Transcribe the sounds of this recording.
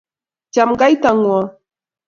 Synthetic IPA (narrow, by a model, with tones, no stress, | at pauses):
t͡ʃa˨mɡa˦jt̪a˨ŋwɔ˨